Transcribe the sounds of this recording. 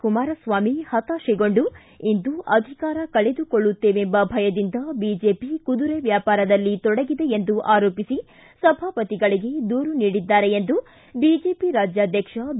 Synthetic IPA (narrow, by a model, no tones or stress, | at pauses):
kumaːɾɐsʋaːmihɐt̪aʃiɡo̞ɳɖu | ind̪uʔɐd̪ʱikaːɾɐkɐɭe̞d̪ukoɭːut̪ːe̞ːʋeembɐbʱɐjɐd̪ind̪ɐbiːd͡ʒe̞ːpikud̪uɾeʋjaːpaːɾɐd̪ɐlːit̪ɔɽɐɡid̪e̞end̪uʔaːɾoːpisi | sɐbʱaːpɐt̪iɡɐɭiɡe̞d̪uːɾuniːɽid̪ːaːɾe̞end̪u | bid͡ʒe̞ːpiɾaːd͡ʒjaːd̪ʱjɐkʂɐ